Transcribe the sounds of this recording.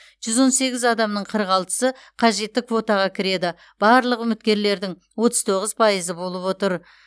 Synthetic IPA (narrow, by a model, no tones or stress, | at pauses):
ʒ̥ʏzwo̞nse̞ɡʲɪzɑd̪ɑmnəɴqʰəɾəʁɑlˠt̪ə̥sə | qʰɑʒe̞t̪ːɪkvo̞t̪ɑʁɑkʲʰɪɾe̞d̪ɪ | b̥ɑɾlˠəqʏmɪt̪̚kʲe̞ɾle̞ɾd̪ɪŋ | wo̞t̪əz̥t̪ʰo̞ʁəzpʰɑjəzəbo̞lˠəpwo̞t̪əɾ